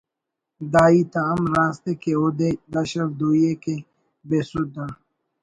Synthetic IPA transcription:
d̪aːiːt̪aːmɾaːst̪ekeoːd̪ed̪ɐʃɐɾd̪uːjeke | beːsʊd̪a

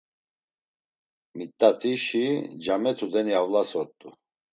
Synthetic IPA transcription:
mit̪ʼːat̪ʰiʃid͡ʒamɛt̪ʰud̪ɛniavlasɔt̪ʼu

